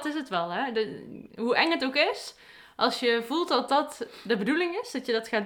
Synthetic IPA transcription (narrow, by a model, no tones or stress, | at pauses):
tɪsətʋɛlˠɛ | ɦuʔɛŋətowkɪs | ʔɑlˠsjəvulˠtdɔt̚dɔtdəbədulɪŋɪsd̥ɔtjədɔtxaː